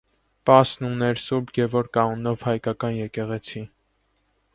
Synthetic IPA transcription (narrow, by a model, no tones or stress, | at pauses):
pɑsnunɛɾsuɾbɡɛvɔɾkɑunɔvhɑjkɑkɑnjɛkɛʁɛt͡sʰi